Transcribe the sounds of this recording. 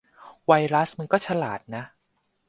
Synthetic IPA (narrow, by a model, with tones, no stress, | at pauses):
wa˧jɾa˦˥sma˧nkɔː˥˩t͡ɕʰa˧laː˨˩t̪̚na˦˥ʔ